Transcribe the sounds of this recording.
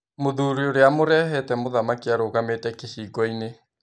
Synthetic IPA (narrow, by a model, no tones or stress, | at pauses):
moðuɾioɾeamoɾɛɦɛtɛmoðamakiaɾoɣametɛkehiːɡɔine